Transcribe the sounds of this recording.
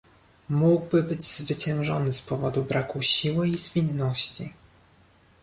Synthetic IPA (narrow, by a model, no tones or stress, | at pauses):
muɡbɘbɘd͡ʑz̥vɘt͡ɕɛ̃w̃ʐɔnɘspɔvɔd̪ubɾakuɕiwɘizvʲinːɔɕt͡ɕi